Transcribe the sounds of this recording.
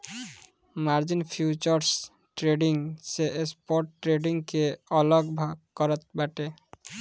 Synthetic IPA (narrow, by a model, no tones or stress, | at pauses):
maɾd͡ʑinfʰjut͡ɕoɾs | ʈɾeɖiŋseʔespoɾʈʈɾeɖiŋkeɔloɡbʱaɡkɔɾat̪̚baʈe